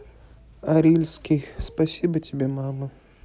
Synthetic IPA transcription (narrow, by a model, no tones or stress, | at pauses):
aɾʲilʲsʲkʲijspasʲibətʲɪbʲemamɨ